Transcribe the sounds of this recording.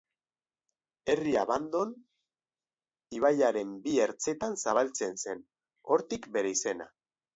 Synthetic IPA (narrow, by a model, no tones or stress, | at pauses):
e̞riaβand̪o̞n | iβ̞ajaɾe̞mbie̞ɾt͡se̞t̪ansaβ̞alt͡se̞nse̞n | o̞ɾt̪ikbe̞ɾe̞ise̞na̰